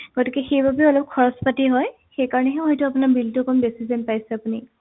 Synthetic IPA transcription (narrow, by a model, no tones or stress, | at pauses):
ɡ̥otikɛxejbʱabɛɔlɔp̚kʰɔɹɔspatiɦɔj | xejkaɹɔnɛɦɛɦɔjtʊapunabiltɔkɔmbesizɛnpajsɛapuni